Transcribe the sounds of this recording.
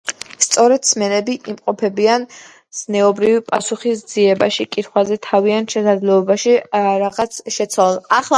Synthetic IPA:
st̪sʼɔɾɛd̪̥smɛnɛbiʔimqʼɔpʰɛbian | z̥nɛɔbɾivipʼasuχisd̪ziɛbaʃikʼit̪ʰχwazɛt̪ʰavianʃɛsad̪zlɛɔbaʃiɾaʁat̪sʰʃɛt̪sʰwaaχlˠa

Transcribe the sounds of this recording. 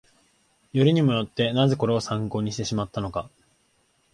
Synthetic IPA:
joɾɯ̟ɲ̟imo̞jo̞t̪ːe̞naze̞ko̞ɾe̞o̞sãŋko̞ːɲ̟iɕi̥t̪e̞ɕimat̪ːano̞ka

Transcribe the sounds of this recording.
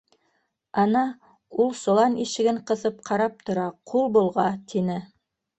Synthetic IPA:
ɑnɑ | ulˠsŏlˠɑniʃɘ̆ɡɘɴqɤ̆θɤp̚qʰɑɾɑp̚t̪ŏɾɑqʰulˠbulˠʁɑt̪ʰinɘ

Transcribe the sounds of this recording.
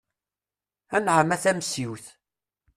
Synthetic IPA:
ænʕəmæθæmsiwθ

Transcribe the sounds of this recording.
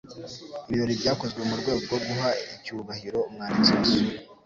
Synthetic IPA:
iɾiɾoɾibɟaːko̞zɡwe̞umuɾɡwe̞ːɡoɡoɡuɦaicuβahiɾo̞mŋaːnit͡sizi

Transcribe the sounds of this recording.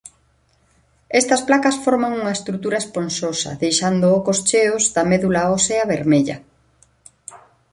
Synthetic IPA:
est̪ɐsplakɐsfoɾmaŋuŋɐest̪ɾut̪uɾɐesponsosɐ̰ðejʃand̪oʊːkost͡ʃeozðɐmeðulaoseɐβeɾmeʎɐ̰

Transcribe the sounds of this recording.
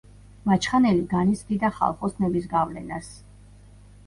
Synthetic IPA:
mat͡ʃʰχanɛliɡanisɡid̪aχa̰lˠχɔsnɛbisɡavlɛ̰nas

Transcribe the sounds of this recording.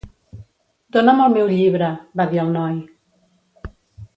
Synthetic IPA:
d̪onəməlˠmɛwʎiβɾəbaðiəlˠnɔj

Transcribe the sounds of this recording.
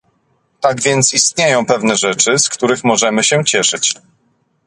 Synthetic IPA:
t̪aɡvʲjɛnt̪sist̪̚ɲejɔ̃w̃pɛvnɛʐɛt͡ʂɘskt̪uɾɘxmɔʐɛmɘɕɛt͡ɕɛʂɘt͡ɕ

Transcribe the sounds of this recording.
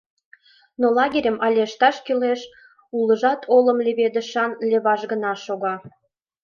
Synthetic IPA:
nolɑɣʲeɾʲəmʔɑlʲeʃt̪ɑʃkyleʃ | ulə̆ʒɑt̪ʰolə̆mlʲeβed̪ə̆ʃɑnlʲeβɑʃɣənɑʃoɣɑ

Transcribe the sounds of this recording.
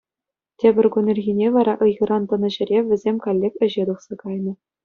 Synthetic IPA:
tʲebʲɘ̆rʲɡunʲĕrʲɣʲinʲeʋɑɾɑʔɯjʁɯ̆ɾɑnt̪ɤ̆nɤ̆ʑɘ̆rʲeʋʲɘ̆zʲemʲkolʲːekʲɘ̆ʑed̪uχsɑkɑjnɤ̆

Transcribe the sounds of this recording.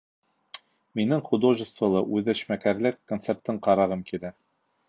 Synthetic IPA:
minɘŋχud̪oʒɘ̆st̪vɤ̆lˠɤʔʉðɘ̆ʃmækæɾlɘkːont̪seɾt̪ːɤɴqɑɾɑʁɤmkilæ

